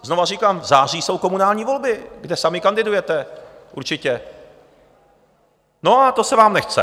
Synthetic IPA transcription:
zno̞variːkaːmzaːr̝iːso̞wko̞munaːlɲiːvo̞lbɪɡdɛsamɪkandɪdujɛt̪ɛʔṵɾt͡ʃɪcɛ | no̞at̪o̞sɛvaːmnɛxt͡sɛ̰

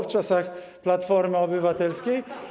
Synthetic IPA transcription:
ft͡ʂasaxplat̪fɔɾmɪɔbɘvat̪ɛlskʲi

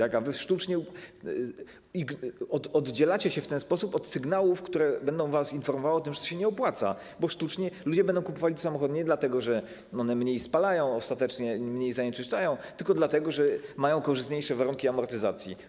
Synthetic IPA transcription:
t̪akavɘfʂt̪ut͡ʂɲɛ | iɡɔɔd̪d͡ʑɛlat͡ɕɛɕɛft̪ɛnspɔsupɔt̪sɘɡnawufkt̪uɾɛbɛnd̪ɔ̃w̃vasinfɔɾmɔvawɔt̪̬ɘmʐɛt̪ɔ̥ɕɛɲɛɔpwat̪sa̰ | bɔʂt̪ut͡ʂɲɛlud͡ʑɛbɛnd̪ɔ̃w̃kupɔvalʲid̪samɔxɔd̪uɲɛd̪lat̪ɛɡɔʐɛ | ɔnɛmɲejspalajɔ̃w̃ɔst̪at̪ɛt͡ʂɲɛmɲejzaɲɛt͡ʂɘst͡ʂajɔ̃w̃t̪ɘlkɔd̪lat̪ɛɡɔʐɛmajɔ̃w̃kɔʐɨst̪ɲejʂɛvaɾuŋkʲiamɔɾt̪ɘzat̪sʲji

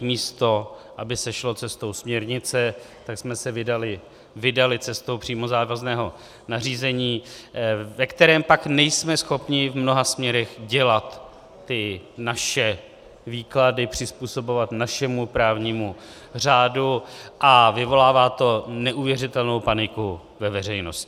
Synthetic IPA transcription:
miːst̪o̞ʔabɪsɛʃlo̞t͡sɛst̪o̞wsmɲɛɾɲɪt͡sɛ | t̪aksmɛsɛvɪdalɪ | vɪdalɪt͡sɛst̪owpr̥iːmo̞zaːvaznɛːɦo̞ | nar̝iːzɛɲiː | vɛkt̪ɛɾɛːmpaknɛjsmɛsxo̞pɲɪvmno̞ɦasmɲɛɾɛɣɟɛlat̪ː | ɪnaʃɛ | viːkladɪpr̥ɪspuːso̞bo̞vat̪naʃɛmupɾaːvɲiːmu | r̝aːduʔavɪvo̞laːvaːt̪o̞nɛʔuvjɛrɪt̪ɛlno̞wpanɪku | vɛvɛr̝ɛjno̞scɪ̥

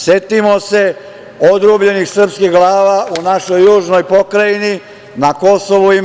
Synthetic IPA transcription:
sjet̪imose | od̪ɾubʎe̞nixsr̩pskixɡlˠaːʋaunaʃo̞jːuːʒno̞jpo̞kɾajini | nako̞soʋui

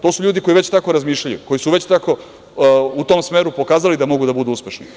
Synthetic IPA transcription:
t̪o̞ːsuʎuːd̪iko̞jiʋe̞t͡ɕt̪ako̞ɾazmiːʃʎʲajṵko̞jisuʋe̞t͡ɕt̪ako̞ | ut̪oːmsmeːɾupo̞kaːzalid̪amo̞ɡud̪abud̪uuspe̞ʃni

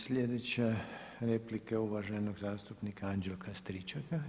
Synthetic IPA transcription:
slʲeːd̪ɛt͡ʃɛɾeːplikɛuʋaʒɛnoɡzaːst̪upnikaand͡ʒɛlkʰast̪ɾit͡ʃaka

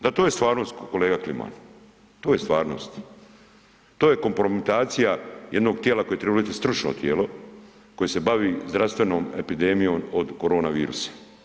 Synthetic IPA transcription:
d̪at̪ojest̪ʋaːɾno̞st̪koko̞leːɡaklima̰n | t̪o̞ːjest̪ʋaːɾno̰st̪ | t̪oːjeko̞mpɾo̞mit̪aːt̪sijajed̪no̞ːɡt̪jelako̞je̞t̪ɾeblit̪ist̪ɾut͡ʃno̰t̪jeːlo̞ | ko̞jese̞baʋiːzd̪ɾafst̪ʋe̞no̞ːme̞pid̪emijo̞ːmod̪koɾo̞ːnaʋiːɾṵsḁ

